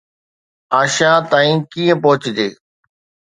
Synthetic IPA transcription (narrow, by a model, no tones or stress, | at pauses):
aːʃãːt̪aːĩːkiːə̃pɔɦʊt͡ɕd͡ʑeː